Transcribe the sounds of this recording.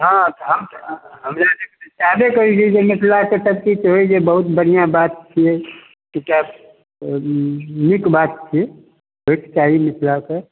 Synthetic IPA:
ɦãt̪ɦəmɦəmd͡ʒad̪eksabekəɾid͡ʒed͡ʒemɪt̪ʰlaket̪əb̚kit̪ɦoid͡ʒebəɦut̪bəɽijabat̪̚t͡ʃʰie | keka | mikbat̪̚t͡ʃʰie | bʱeʈʰt͡ʃaɦimɪt̪ʰlake

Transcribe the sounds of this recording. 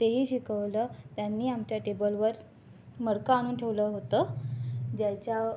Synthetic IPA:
t̪eɦiːɕikʰəʋlət̪janːiːamt͡ɕjaʈebəlʋəɾ | məɽkəañuːnʈʰeʋləɦot̪ə | d͡ʑat͡ɕja

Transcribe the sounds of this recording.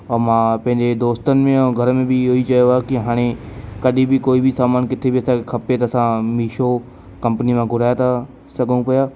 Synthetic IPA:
ɔːɾmãːpɐ̃ɦɪ̃ɲd͡ʑed̪oːst̪ənɪ̆mẽɔːɡʱɐɾəmẽbʱioit͡ʃɐjoakiɦaːɽ̃ekɐɗʱibʱikoːibʱisaːmaːnkɪt̪ʰebʱiɐsãkexʰɐpet̪ɐːsãmiːʃo | kɐ̃mpənimãɡʱʊɾaːjt̪ʰa | sɐɡəũpɐja

